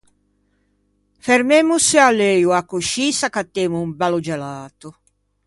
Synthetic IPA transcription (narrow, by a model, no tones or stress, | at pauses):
feɾmemusealːejuakːoʃisakat̪ːemuumbalod͡ʒalaːt̪ʊ